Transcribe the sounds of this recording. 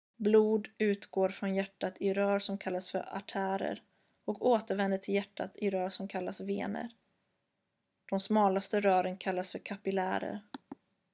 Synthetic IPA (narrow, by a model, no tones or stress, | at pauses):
bluːd̪ʉ̟ːt̪ɡoːɾfɾɔnjæʈːat̪ʰɪɾœːɾʂɔmkʰalːasfœ̰ɾa̰ʈʰæːɾə̰ɾ | ɔkʰoːt̪əɾvɛnd̪əʈʰɪljæʈʰːa̰t̪ʰɪɾœːɾʂɔmkʰalːasvḛːnə̰ɾ | d̪̥ɔmsmɑːlast̪əɾœːɾənkʰalːasfœɾkʰapɪlæ̰ːɾə̰ɾ